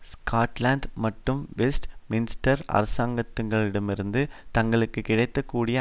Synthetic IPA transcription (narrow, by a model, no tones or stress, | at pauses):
skaːʈlaːnd̪mɐʈːɯmʋɛsʈmɪnɪsʈɐɾɐ̰ɾɐsaːŋɡɐt̪ːɯŋɡɐɭɪɽɐmɪɾɯnd̪ɯt̪ɐŋɡɐɭɯkːɯkɪɽɐɪt̪ːɐkːuːɽɪjɐ